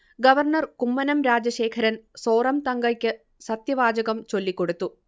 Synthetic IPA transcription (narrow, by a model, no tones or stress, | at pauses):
ɡɐʋɐrnɐrkumːɐnɐmɾaːd͡ʑɐʂe̞ːkʰɐɾɐnso̞ːrɐmt̪ɐŋɡɐkʲːɨ | sɐt̪jɐʋaːd͡ʑɐɣɐmt͡ɕo̞lːikːo̞ɽut̪ːu